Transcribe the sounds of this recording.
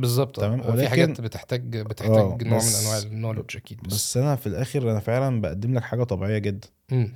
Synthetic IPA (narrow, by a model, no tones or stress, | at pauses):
bezˤːɑb̚t̪ˤt̪æmæːmwelæːħaɡæːnbet̪eħt̪æːɡbet̪eʔħææːnoːʕmenelʔænwaːʕeenːoːʕleʃʔækiːd̪̚bæsːʔænæfilʔæːxeɾʔænæfeʕlænbæʔæd̪ːemlækħaːɡæt̪ˤɑbiʕejːæɡed̪ːænʔem